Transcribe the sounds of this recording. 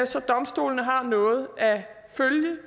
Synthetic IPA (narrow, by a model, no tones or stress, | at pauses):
sɒ̽d̥ɒ̽msd̥o̝̰ːlnəɦɑ̈nɔ̽ːð̞̩ˠæ | føljə